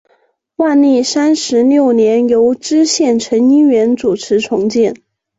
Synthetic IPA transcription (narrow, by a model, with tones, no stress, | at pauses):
wa˥˧nli˥˩sa˥nʂɻ̩˧˥ljo˥˩ʊnjɛ˧˥njo˧˥ʊʈ͡ʂɻ̩˥ɕjɛ˥˩nʈ͡ʂʰə˧˥ŋi˥nɥɛ˧˥nt͡su˨˩ʈ͡ʂʰɻ̩˧˥ʈ͡ʂʰʊ˧˥ŋt͡ɕɛ˥˩n